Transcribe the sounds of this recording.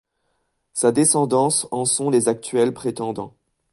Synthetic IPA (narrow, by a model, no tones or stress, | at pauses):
sad̪esɑ̃d̪ɑ̃sɑ̃sɔ̃lezak̚t̪ɥɛlpχet̪ɑ̃d̪ɑ̃